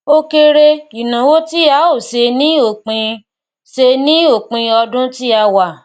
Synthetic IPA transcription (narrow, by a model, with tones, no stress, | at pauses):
o˦ke˧ɾe˧i˨nã˨wo˦ti˦a˨˦o˦˨se˧nĩ˦o˦˨k͡pĩ˧ | se˧nĩ˦o˦˨k͡pĩ˧ɔ˧dũ˦ti˦a˧wa˨